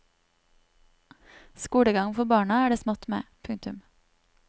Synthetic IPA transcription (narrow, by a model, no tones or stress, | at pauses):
skuːɽəɡɑŋfɔbɑːɳɑæːɖeːsmɔt̪mḛːpʰʉŋt̪ʉm